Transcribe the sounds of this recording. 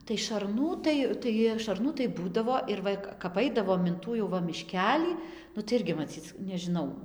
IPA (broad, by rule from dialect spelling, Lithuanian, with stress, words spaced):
tɐɪ ʃɐrˈnuː ˈtɐɪ tɐɪ ʃɐrˈnuː tɐɪ ˈbuːdɐʋoː ɪr ˈʋɐ kɐp ˈɐɪdɐʋoːm ɪn ˈtuː jɛʊ ˈʋɐ mʲɪˈʃʲkʲæːlʲiː nʊ tɐɪ ˈɪrʲɡʲɪ mɐˈt͡sʲiːt͡s nʲɛʒʲɪˈnɐʊ